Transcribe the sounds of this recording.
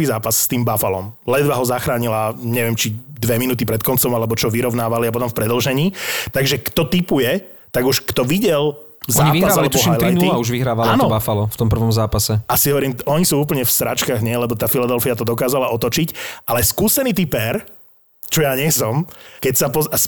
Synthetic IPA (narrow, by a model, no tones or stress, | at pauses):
iːzaːpasst̪iːmbafalɔmlɛd̪ʋaɦɔzaxɾaːɲilaɲɛʋɪɛmt͡ʃid̪ʋɛminuːt̪ipɾɛt̪kɔnt͡sɔmalɛbɔt͡ʃɔʋiɾɔʊnaːʋaliapɔt̪ɔ̃mfpɾɛd̪l̩ʒɛɲiːt̪aɡʒɛkt̪ɔt̪ipujɛ | t̪aɡuʃkt̪ɔʋiɟɛl | zaɲiːiɦazɾaallɛɔɦajlt̪ɾiniauʒʋiɦɾaːʋaalɔːnɔbafalɔft̪ɔmpr̩ʋɔmzaːpasɛasiɦɔʋɔɾiːmɔɲisuːuːp̬l̩ɲɛfsɾa̰t͡ʃkaːɣɲɛlɛbɔt̪aːfilad̪ɛlfiat̪ɔd̪ɔkaːzalaʔɔt̪ɔt͡ʃicʔalɛskuːsɛniːt̪ipɛɾ | t͡ʃɔjaːɲɛsɔmkɛcsapɔas